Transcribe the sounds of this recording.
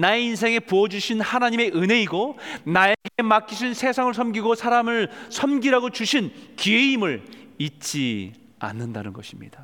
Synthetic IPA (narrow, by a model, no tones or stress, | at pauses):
naeins̬ʰe̞ŋe̞puʌd͡ʑuɕʰinhanaɲime̞ʔɯnɦe̞iɡonaeɡe̞mak͈ʰiɕʰinsʰe̞sʰaŋɯɭsʰʌmɡiɡosʰaɾamɯɭsʰʌmɡiɾaɡot͡ɕuɕʰinkieimɯɭit̚t͡ɕ͈i | a̰nːɯndanɯnɡʌɕʰimɲḭd̥a